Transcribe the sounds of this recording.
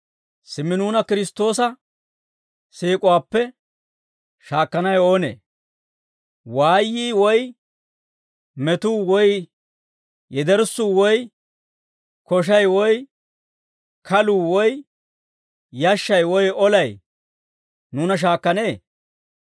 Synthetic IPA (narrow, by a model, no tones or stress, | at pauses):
sɪmːɪnuːnɐkɪɾɪst̪ːo̞ːs̬ɐ | siːkʼʊwaːpːɛ | ʃaːkːɐnɐjo̞ːnḛː | waːjːiːwɔj | mɛt̪uːwɔj | jɛd̪ɛɾsuːwɔj | kɔʃ̬ɐjwɔj | kʰɐluːwɔj | jɐʃːɐjwɔjɔlɐj | nuːnɐʃ̬aːkːɐneː